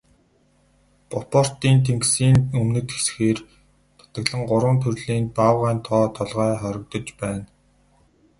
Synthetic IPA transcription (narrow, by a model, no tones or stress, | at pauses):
pɔpɔr̥t̪iːnt̪ʰeŋksiːnɵmnɵ̆t̪xe̥sxeːr | t̪ʰʊ̥t̪ə̆ɣɮə̆ŋɢʊɾwə̆nt̪ʰɵrɮiːnpawʁæːnt̪ʰɔːt̪ʰɔɮʁœːχɔɾɪ̆k̚t̪ɞ̆t͡ɕpæːn